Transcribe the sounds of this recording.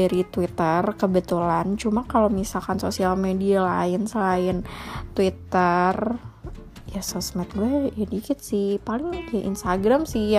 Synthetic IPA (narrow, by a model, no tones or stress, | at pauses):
aɾit̪wit̪ərkəbət̪ulant͡ʃumakalomisalkansosialmediala̰ɪnsəlaɪnt̪wit̪ər | jasosmɛt̪̚ɡulɛadikɪt̪̚sɪhpalɪŋkəʔḭnst̪aɡɾamsɪhja